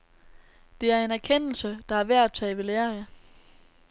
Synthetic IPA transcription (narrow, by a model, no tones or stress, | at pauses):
d̥e̝æɐe̝næɐkʰen̰l̩səd̥ɑ̈æɐʋæɐ̰̥t͡sʰɛɪʋe̝leːɐ